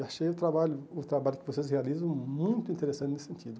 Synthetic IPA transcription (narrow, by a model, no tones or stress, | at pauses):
aʃejʊt̪ɾabaʎʊʊt̪ɾabaʎʊkɪvoses̬healizɐ̃w̃mũj̃t̪ʊĩnt̪eɾesɐ̃t̪ɪnesɪsẽnt̪id̪ʊ